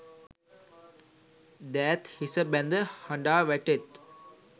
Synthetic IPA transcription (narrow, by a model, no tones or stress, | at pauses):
d̪æːt̪hisəbɛ̃nd̪əhɐ̃ɳɖaːʋɛʈet̪